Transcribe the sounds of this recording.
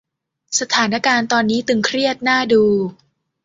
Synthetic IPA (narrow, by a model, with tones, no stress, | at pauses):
sa˧t̪ʰaː˩˦na˦˥kaː˧nt̪ɔː˧nːiː˦˥t̪ɯ˧ŋkʰɾi˥˩ət̪̚naː˥˩duː˧